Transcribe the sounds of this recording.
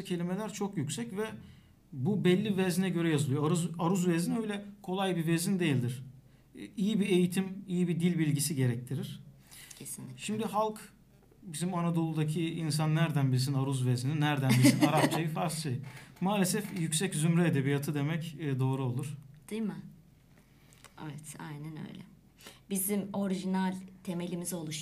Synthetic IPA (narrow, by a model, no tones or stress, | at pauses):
cʰe̞lʲimelʲæɾt͡ʃʰo̞kjycsɛcvɛ | bubɛlʲːivɛzinɛɟø̞ɾɛjazɯlˠɯjoaɾuzaɾuzvezinø̞jlʲɛkʰo̞lˠajbivezind̪ejilʲd̪iɾ̥ | ijibiejit̪ʰimijibid̪ilʲbilʲɟisiɟe̞ɾɛc̚t̪ʰiɾiɾ̥ | cʰesʃimd̪ihalˠk | bizimanad̪o̞lˠud̪acʰiins̬anːæɾd̪ænbiɾsinaɾuzvezininæɾd̪ænbisinaɾap̚t͡ʃajɯfaɾsɯjmaːlʲe̞sɛfjycsɛczymɾɛed̪e̞bijat̪ʰɯd̪e̞mɛcːd̪o̞ːɾuo̞lˠuɾ̥d̪̥ɯjmɯ | ɛ̰vɛt̪a̰jnænø̰jlʲɛ̰ | bizimo̞ɾiʒinalʲt̪ʰe̞me̞lʲimizo̞lˠuʃ